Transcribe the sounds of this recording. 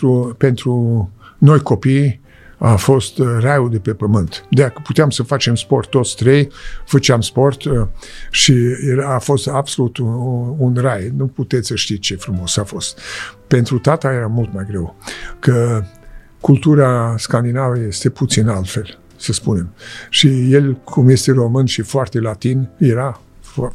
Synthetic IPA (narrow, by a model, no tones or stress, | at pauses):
ɾupe̞nt̪ɾuno̞jko̞pij | afo̞st̪rajud̪e̞pe̞pəmɨnt̪d̪eakəput̪eamsəfat͡ʃe̞mspo̞rt̪ːo̞t̪sʲt̪ɾe̞jfət͡ʃeamspo̞rt̪ʃijeɾaːfo̞st̪absolut̪uunrajnuput̪et̪sʲsəʃt̪it͡ʃe̞fɾumo̞safo̞st̪pe̞nt̪ɾut̪at̪aje̞ɾamult̪majɡɾe̞wkə | kult̪uɾaskand̪inaveje̞st̪e̞put̪sinalt̪fe̞l | səspune̞mʃije̞lkʰumje̞st̪e̞ɾo̞mɨnʃifoart̪e̞lat̪injeɾa | f